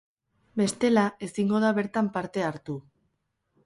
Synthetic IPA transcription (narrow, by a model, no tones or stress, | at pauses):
be̞st̪e̞lae̞siŋɡo̞ð̞aβe̞ɾt̪ampaɾt̪e̞aɾt̪u